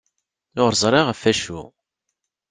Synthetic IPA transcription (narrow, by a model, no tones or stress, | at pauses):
ʊʁɾzˤɾˤɪʁəfæʃu